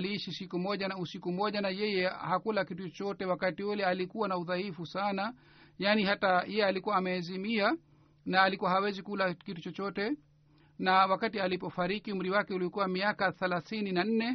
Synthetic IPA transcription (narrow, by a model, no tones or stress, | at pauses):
liːʃisikumɔʄanausikumɔʄanajɛjɛhakulakitut͡ʃɔt͡ʃɔtɛwakatiulɛalikuwanauðaifusana | jaːnihatajɛjɛalikuwaːmɛːzimia | naːlikuwaɦawɛzikulakitut͡ʃɔt͡ʃɔtɛ | nawakatialipɔfaɾikium̩ɾiwakɛuliɔkuwamiakaθɛlaθininan̩nɛ